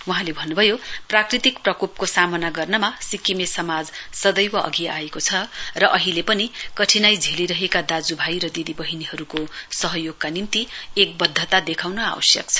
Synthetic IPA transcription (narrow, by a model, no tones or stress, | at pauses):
wuɦãlebʱʌnːubʱʌjoprakrit̪ikprʌkup̚kosamʌnaɡʌrnʌmasikːimesʌmad͡zsʌd̪ʌjwʌʔʌ̰ɡia̰ekot͡sʰʌrʌʔʌɦilepʌnikʌʈʰinajd͡zʱeliɾʌɦekad̪ad͡zubʱajɾʌd̪id̪ibʌɦiniɦʌɾukosʌɦʌjoɡ̚kanint̪iek̚bʌd̪ʱːʌt̪ad̪ekʰawnʌa̰wʌ̰sjʌ̰kt͡sʰʌ̥